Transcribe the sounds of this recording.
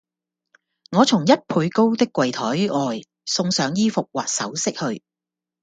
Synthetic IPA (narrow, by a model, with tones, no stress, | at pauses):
ŋɔː˨˧t͡sʰʊ˨˩ŋjɐ˥t̚pʰuː˨˧jko˥wt̪ɪ˥kːwɐ˨jt̪ʰɔː˨˥jɔː˨j | sʊ˧ŋsœː˨˧ŋjiː˥fʊ˨k̚waː˨˩t̚sɐ̰˨˥wsɪ˥k̚hɵ˧ɥ